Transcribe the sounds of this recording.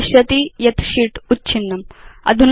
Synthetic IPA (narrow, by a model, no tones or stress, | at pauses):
ɕɐt̪ijɐt̪ʃiʈutːt͡ɕʰinːɐmɐ̰d̪ʱun